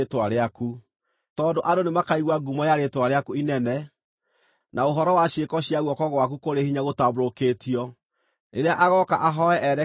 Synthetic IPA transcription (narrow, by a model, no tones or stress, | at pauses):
twaɾeaku | tɔːndoʔadonemakaiɣwaɡumɔjaɾetwaɾeakuinɛnɛ | naoɦɔɾɔwaɕekɔɕijaɣwɔkɔɣwak̬ukoɾehiɲaɣotabɾokeːtiɔ | neɾeaʔaɣɔkaʔaɦɔɛʔɛɾɛ